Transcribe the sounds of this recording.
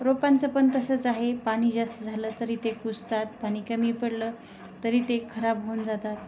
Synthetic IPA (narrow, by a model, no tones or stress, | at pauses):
ɾopant͡səpənt̪əsət͡saɦepaɽ̃iːd͡zast̪əd͡zʱaləːt̪əɾiːt̪ekust̪at̪̚paɽ̃iːkəmiːpəɽləː | əɾiːt̪ekʰəɾabɦond͡zat̪at̪̚